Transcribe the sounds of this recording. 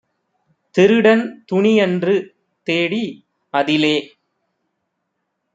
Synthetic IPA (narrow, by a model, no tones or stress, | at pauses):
t̪ɪɾɯɽɐnt̪ʊɳiɛndrɯ | t̪eːɽi | ɐðɪleː